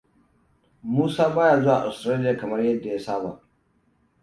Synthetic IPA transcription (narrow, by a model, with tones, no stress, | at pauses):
muː˦saː˦baː˦jaː˨zo˦ʔa̰˨ʔa̰˨stɾaː˦lɪ˦jaː˨kɐ˨mɐ˦rjɐ˦dːa˨jaː˦saː˦ba̰˨